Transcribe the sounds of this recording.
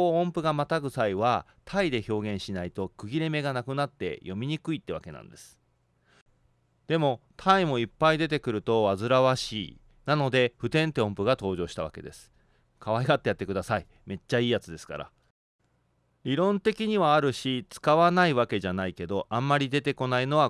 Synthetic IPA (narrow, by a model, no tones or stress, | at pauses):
oõmpɯ̟ɡamat̪aɡɯ̟saiβa | t̪ʰaid̪e̞ço̞ːɡẽɰ̃ɕinait̪o̞kɯ̟ɡʲiɾe̞me̞ɡanakɯ̟nat̪ːe̞̰jo̞mʲiɲ̟ikɯ̟it̪ːeβa̰ke̞nã̰nd̪e̞sɨ̥ | d̪̥e̞mo̞t̪ʰaimo̞ipːaid̪e̞t̪e̞kɯ̟ɾɯ̟t̪o̞βazɨɾaβaɕḭː | nano̞d̪e̞ɸɯ̟t̪ẽ̞nt̪e̞õmpɯ̟ɡat̪o̞ːʑo̞ːɕi̥t̪aβa̰ke̞̰d̪e̞sɨ̥ | kʰaβaiɡat̪ːejat̪ːe̞kɯ̟d̪asai | me̞t͡ɕːaiːjat͡sɨd̪e̞sɨ̥ka̰ɾa̰ | ɾʲiɾõ̞nt̪e̞kʲiɲ̟iβaːɾɯ̟ɕit͡sɨ̥kaβanaiβake̞ʑanaike̞d̪o̞ʔãmːaɾʲid̪e̞t̪e̞ko̞naino̞βa